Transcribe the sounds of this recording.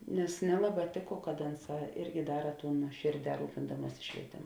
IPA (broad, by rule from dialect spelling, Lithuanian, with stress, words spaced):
nʲɛs ˈnʲæːlˠɐˌbɑː ˈtʲeːˌkoː kɐt ˈɐnˌsɑː ˈɪrʲɡʲɪ ˈdɑːrɐ ˈtuːn nuɔˈʃʲeːrʲˌdʲɛː ˈruːpʲɪndɐmuɔsʲɪ ʃʲʋʲiɛˈtʲeːmʊ